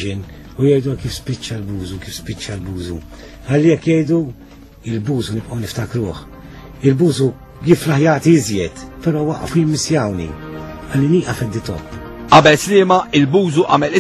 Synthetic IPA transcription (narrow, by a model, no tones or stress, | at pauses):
ɪn | ʊjɛjd̪ukiːfspɪt͡ʃːɐlbuːzukiːfspɪt͡ʃːɐlbuːzṵ | hɐlːijɛkːjɛjd̪u | ɪlbuːzunɪbʔɐwnɪft̪ɐkɾuːħ | ɪlbuːzu | jɪflɐħjɐːt̪iɪzjɛt̪pɛɾɔːwɐʔːɐ̰fujɪmːɪsjɐwnḭɐlːiniːʔɐfɛd̪ːɪt̪ɔ̰pː | ʔɐbɛlslɪːmɐɪlbuːzuʔɐmɛlɪ